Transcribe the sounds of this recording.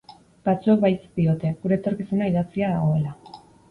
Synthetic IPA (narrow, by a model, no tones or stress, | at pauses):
bat͡suek̚bajst̪io̞t̪e̞ɣuɾe̞ːt̪o̞ɾkisunaiðat͡siaða̰ɣ̞o̞e̞la